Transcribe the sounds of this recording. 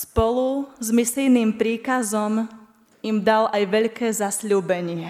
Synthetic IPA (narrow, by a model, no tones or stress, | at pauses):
spɔluzmislijniːmpɾiːkazɔm | imd̪alʔajʋɛʎkɛːzasʎuːbɛɲɪɛ